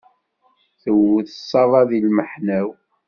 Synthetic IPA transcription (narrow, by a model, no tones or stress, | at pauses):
θəwθəsˤːɑðˤɑðilməħnæw